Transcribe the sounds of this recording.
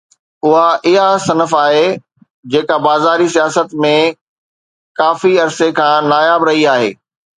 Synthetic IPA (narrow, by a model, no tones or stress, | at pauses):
ʊɦaʔɪɦasɐnəfaːɦe | d͡ʑeːkabaːzaːɾisijaːsət̪mẽ | kaːfiɐɾsekʰãːnaːjaːbɾɐɦiaːɦḛː